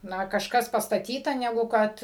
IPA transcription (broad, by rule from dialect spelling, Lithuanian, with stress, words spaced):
ˈnɐ kɐʃˈkɐs pɐstɐˈtʲiːtɐ nʲɛˈɡʊ ˈkɐt